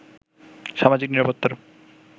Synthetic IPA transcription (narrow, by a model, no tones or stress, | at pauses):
ʃamad͡ʑikniɾapot̪ːoɾ